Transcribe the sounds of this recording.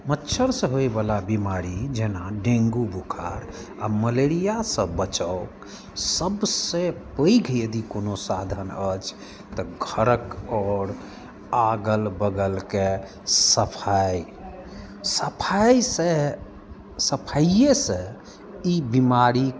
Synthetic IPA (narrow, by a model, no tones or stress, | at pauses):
mətːʃʰəɾsə̃ɦoebalabimaɾid͡ʒenaɖẽŋɡubʱukʰa̰ɾa̰məleɾijasə̃bət͡ʃəʊk | səbsẽpəjɡʰʱjəd̪ikonosad̪ʱənət͡ʃʰ | t̪əɡʱəɾəkɔːɾ | aɡəlbəɡəlke | səpʰaj | səpʰajse | səpʰaiesə̃ | ibimaɾi